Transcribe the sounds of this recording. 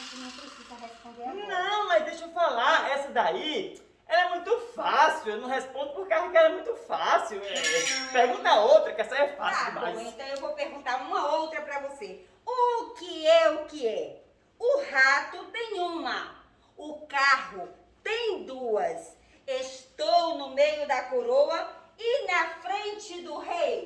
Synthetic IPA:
nɐ̃w̃pɾesizɐɦespõnd̪eɾanɐ̃w̃mɐzd̪ejʃofalaɾɛsɐd̪ai | ɛlɐɛmũj̃t̪ʊfasiwewnɐ̃w̃ɦespõd̪ʊpʊkeahʊkɪɛlɛmũj̃t̪ʊfasiwɛpeɦɡũnt̪ɐowt̪ɾɐkɛsɐɛfa̰ssiwma̰jẽt̪ɐ̃w̃ewvopeɾɡũnt̪aɾũmɐowt̪ɾɐpɾɐvose | ʊkɪɛʊkɪɛ | ʊhat̪ʊt̪ẽj̃ũmɐ | ʊkaɦʊ | t̪ẽj̃d̪uɐs | eʃt̪ownʊmejʊd̪ɐkoɾoɐɪnɐfɾẽnt͡ʃɪd̪ʊɦej

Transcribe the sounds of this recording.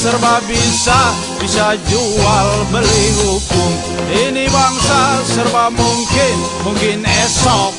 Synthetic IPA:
sərbabisa | bisad͡ʒualbəliɦukʊm | inibaŋsasərbamuŋkɪn | muŋkɪnɛsɔk̚

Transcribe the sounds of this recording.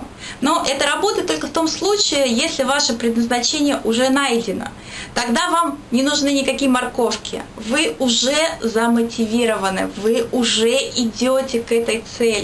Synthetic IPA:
noʔɛt̪əɾɐbo̞t̪əjt̪ːolʲkəft̪o̞mslˠut͡ɕɪɪjesʲlʲɪvaʂɨpɾʲɪd̪nəznɐt͡ɕenʲɪjəʔʊʐɛnajdʲɪnə̰ | t̪ɐɡd̪avamnʲɪnʊʐnɨnʲɪkɐkʲijəmɐrko̞fkʲɪ̰vɨʊʐɛzəmətʲɪvʲiɾəvənɨ̰vɨʊʐɛʔɪdʲotʲɪkɛt̪əjt̪sɛlʲɪ

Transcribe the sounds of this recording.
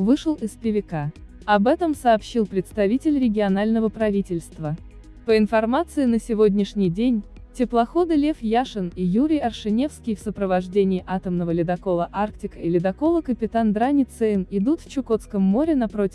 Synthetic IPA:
vɨʂəlˠɪspʲɪvʲɪka | ɐbɛt̪əmsɐːpɕːilˠpɾʲɪt̪st̪ɐvʲitʲɪlʲɾʲɪɡʲɪɐnalʲnəvəpɾɐvʲitʲɪlʲst̪və | pəɪnfɐrmat̪sɨɪnəsʲɪvo̞dʲnʲɪʂnʲɪjdʲenʲ | tʲɪplˠɐxod̪ɨlʲefjaʂɨnijuɾʲɪjɐrʂɨnʲe̞fskʲɪjfsəpɾəvɐʐdʲenʲɪːʔat̪əmnəvəlʲɪd̪ɐko̞lˠəʔark̚tʲɪkəɪlʲɪd̪ɐko̞lˠəkəpʲɪt̪and̪ɾanʲɪt̪sɛmɪd̪ut̪ft͡ɕʊko̞t̪skəmːo̞ɾʲɪnɐpɾotʲ

